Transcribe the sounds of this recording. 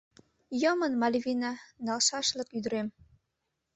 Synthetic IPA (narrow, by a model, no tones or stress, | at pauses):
jəmənmɑlʲvʲinɑnɑlʃɑʃlə̆kyd̪əɾem